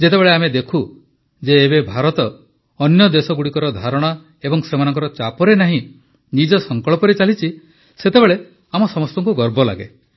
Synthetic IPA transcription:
d͡ʒet̪ebeɭeamed̪ekʰu | d͡ʒeːbebʱaɾɔt̪ɔː | njɔd̪esɔɡuɽikɔɾɔd̪ʱaɾɔɽ̃ɔ | ebɔŋsemanɔŋkɔɾɔt͡ʃapɔɾenaɦĩ | nid͡ʒɔsɔŋkɔɭɔpɔɾit͡ʃalit͡ʃʰi | set̪ebeɭe | amɔsɔmɔst̪ɔŋkuɡɔɾbɔla̰ɡḛ

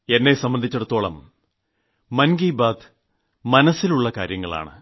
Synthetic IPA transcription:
e̞nːe̞sɐmbɐnd̪ʱit͡ɕːeɽut̪ːo̞ːɭɐ̰m | ɐnɡiːbaːd̪ | mɐnɐsːiluɭːɐkaːɾjɐŋːɐɭa̰ːɳɨ̰

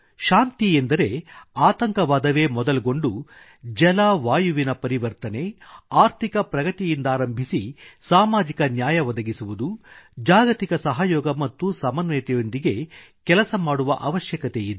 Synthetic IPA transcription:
ʃaːnt̪iend̪ɐɾe̞aːt̪ɐŋkɐʋaːd̪ɐʋe̞ːmɔd̪ɐlɡo̞ɳɖu | d͡ʒɛlaːʋaːjuʋinɐpɐɾiʋɐɾt̪ɐne̞aːɾt̪ʰikɐpɾɐɡɐt̪ijind̪aːɾɐmbʱisisaːmaːd͡ʒikɐnjaːjɐʋɔd̪ɐɡisuʋud̪ud͡ʒaːɡɐt̪ikɐsɐɦɐjɔːɡɐmɐt̪ːusɐmɐnʋɛjt̪ɛjo̞nd̪iɡe̞ | kɛlɐsɐmaːɽuʋɐ̰ʔɐʋɐʃjɐkɐt̪ejid̪e

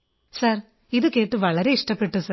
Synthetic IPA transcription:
sɐr | iðɨke̞ːʈːɨʋɐɭɐɾe̞iʂʈɐpːe̞ʈːusɐ

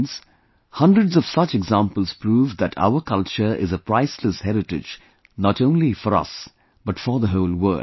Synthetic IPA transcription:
ns | hʌ̃ndɹədzɔv̥sʌt͡ʃɛɡzãmpəl̩ˠz̥pɾuːvd̪æʈʰa̰ʊəkʌlt͡ʃəɹɪ̰zəpɾaɪsləshɛɾɪʈɪ̰d͡ʒ | nɔʈõʊ̃nlifɔɾʌ̰s | b̥ʌtfəɹðəɦoʊlwə̰˞

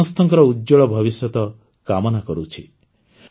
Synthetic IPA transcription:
ɔst̪ɔŋkɔɾɔudd͡ʒɔɭɔbʱɔβisjɔt̪ɔ | kamɔnakɔɾut͡ʃʰi

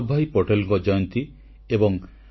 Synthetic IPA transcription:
bʱajpɔʈelŋkɔd͡ʒɔjɔnt̪i | ebɔŋ

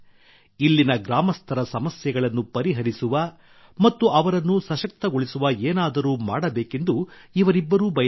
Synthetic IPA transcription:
ilːinɐɡɾaːmɐst̪ʰɐɾɐsɐmɐsjɐɡɐɭɐnːupɐɾiɦɐɾisuʋɐ | mɐt̪ːuɐʋɐɾɐnːusɐʃɐk̚t̪ɐɡoɭisuʋɐeːnaːd̪ɐɾuːma̰ːɽɐbe̞ːke̞nd̪uiʋɐɾibːɐɾuːbɐj

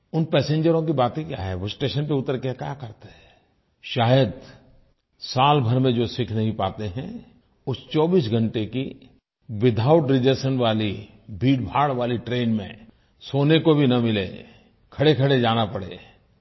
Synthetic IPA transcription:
ʊnpɛːsẽːɲd͡ʒəɾõk̬ibaːt̪ẽkja̰ːɦɛ̰ʋosʈeːʃənp̬eʊt̪əɾkejakjaːkɐɾt̪eɦɛ | ʃaːjəd̪ | saːlbʱɐɾmẽd͡ʒoːsɪkʰnɐɦĩpaːt̪eɦɛ̰̃ | ʊst͡ʃɔːbiːs̬ɡʱə̃ɳʈeki | ʋɪd̪ʱaːʊʈɾɪd͡ʒesənʋaːli | bʱiːɖbʱaːɽʋaːliʈɾeːnmḛ̃ | soːnekobʱinɐmɪlḛ | kʰɐɽekʰɐɽed͡ʒaːnapɐɽḛː

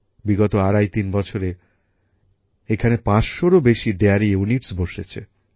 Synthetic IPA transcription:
biɡɔt̪oaɾajt̪inbɔt͡ɕʰoɾe | ekʰanepãt͡ɕʃoɾobeʃiɖeaɾiuniʈsboʃet͡ɕʰḛ

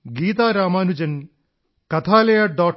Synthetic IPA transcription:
ɡiːt̪aːɾaːmaːnud͡ʒɐn | kɐt̪ʰaːlɐjaɖaː

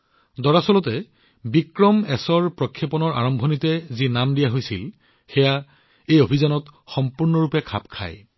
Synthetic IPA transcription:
dɔɹasɔlɔtɛ | bikɹɔmɛsɔɹpɹɔkʰːjɔpɔnɔɹa̰ɹɔmbʱɔnitɛzinamdijaɦojsḭl | xɛja | ejobʱizanɔtxɔmpuɹnɔɹupɛkʰa̰pkʰa̰j

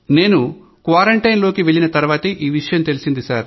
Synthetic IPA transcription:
ne̞ːnu | kʋaːɾɐɳʈɐjnloːkiʋe̞ɭːinɐt̪ɐɾuʋaːt̪ɐʔiːʋiʂɐjɐmt̪e̞lisind̪isaːɾ

